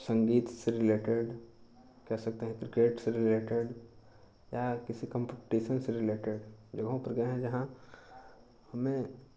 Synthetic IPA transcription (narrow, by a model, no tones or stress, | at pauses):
sɐ̃ŋɡiːt̪seɾɪleːʈeɖ | kɛɦsɐk̚t̪eɦɛ̃kɾɪkeːʈseɾɪleːʈeɖ | jakɪsikɐ̃mpɪʈiːʃənseɾɪleːʈeɖd͡ʒɐɡɦõpɐɾɡɐẽɦɛ̃d͡ʒɐɦã | hɐmẽ